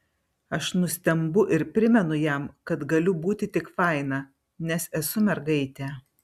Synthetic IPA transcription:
ɐʃnʊsʲt̪ʲɛmbʊʔɪɾpʲɾʲɪmʲɛnʊjɛmkɐt̪ɡɐlʲʊbuːt̪ʲɪt̪ʲɪkfɐɪnɐ | nʲɛsɛsʊmʲɛɾɡɐɪt̪ʲɛː

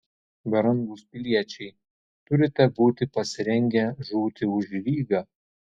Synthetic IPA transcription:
bʲɐɾɐŋɡuspʲɪlʲiɛt͡ʃʲɛɪ | t̪ʊɾʲɪt̪ʲɛbuːt̪ʲɪpɐsʲɪɾʲɛŋʲɡʲɛʒuːt̪ʲɪʊʒʲlʲiːɡɑː

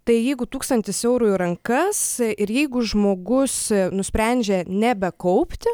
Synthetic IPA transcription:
t̪ɐɪjɛɪɡʊt̪uːkst̪ɐnʲt̪ʲɪsɛʊɾuːjʊɾɐŋkɐsɪɾjɛɪɡʊʒmoːɡʊsnʊsʲpʲɾʲænʲd͡ʒʲenʲɛbʲɛkɐʊpʲt̪ʲɪ

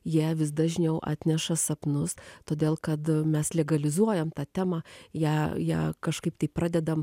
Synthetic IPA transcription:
jiɛʋʲɪs̬d̪ɐʒʲnʲɛʊʔɑ̰ːt̪ʲnʲɛʃɐsɐpnʊst̪oːd̪ʲeːlˠkɐt̪mʲɛslʲɛɡɐlʲɪzuɔjɛmt̪ɑːt̪ʲæːmɑːjæːjæ̰ːkɐʃkɐɪpt̪ɐɪprɑːd̪ʲɛd̪ɐm

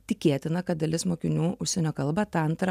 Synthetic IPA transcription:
t̪ʲɪkʲeːt̪ʲɪnɐkɐt̪̚d̪ɐlʲɪsmoːkʲɪnʲuːʊʃʲsʲɛnʲoːkɐlˠbɐt̪ːɐnt̪ɾɐ

